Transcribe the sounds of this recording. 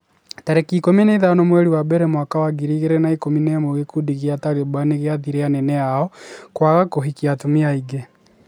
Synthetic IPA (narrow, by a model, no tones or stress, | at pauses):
taɾekikomineiðanɔmwɛɾiwabɛɾemwakawaɡiɾiɣeɾenaikominemoɣekudiɣiataɣebwaneɣeaðiɾeanɛnɛaɔkwaɣakoɦikiatomiaiɡe